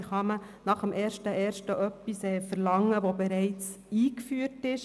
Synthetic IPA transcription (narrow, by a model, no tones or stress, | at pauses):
ɾχɑmə | nɑχəmʔɛːɾʃtəʔɛːɾʃtəʔœpːisɛːfəɾlɑŋːəʋobɛɾɛɪt͡s | iːkfyːəɾtɪʃ